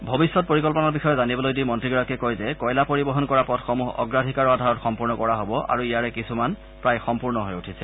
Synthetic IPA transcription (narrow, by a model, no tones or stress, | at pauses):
bʱobisːɔt̚poɹikɔlpɔnɔɹbixɔjɔzanibɔlojdimɔntɹiɡɔɹakɛkɔjzɛkɔjlapoɹibɔɦɔnkɔɹapɔtxɔmuɦɔ̰ɡɹadʱikaɹɔadʱaɹɔtxɔmpuɹnɔkɔɹaɦobɔʔa̰ɹuijaɹɛkisuman | pɹajxɔmpuɹnɔɦojutʰisɛ